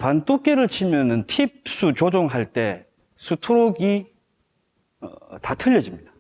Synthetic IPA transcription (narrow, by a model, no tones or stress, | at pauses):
pantʰok̚k͈eɾɯɭt͡ɕʰimjʌnɯntʰip̚s͈ut͡ɕod͡ʑoŋɦaɭt͈e̞ | sʰutʰuɾoɡi | ʌ̰tatʰɯʎːʌd͡ʑimɲidḁ